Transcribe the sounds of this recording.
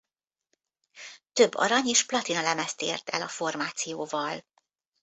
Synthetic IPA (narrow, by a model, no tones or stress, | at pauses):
t̪ø̞bːɒ̰ɾɒɲeːʃplɒt̪inɒlɛmɛst̪ḛːrt̪ɛ̰lɒfo̞rmaːt̪sijoːvɒl